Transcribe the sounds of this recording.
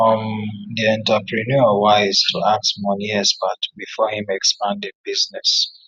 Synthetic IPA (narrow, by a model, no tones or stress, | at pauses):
fɔ̃mðiɛ̃ntəpɹinɔwaɪz̥tʰuaksmɔ̃niɛsbatbifɔhĩmɛkspãndĩnbiznɛs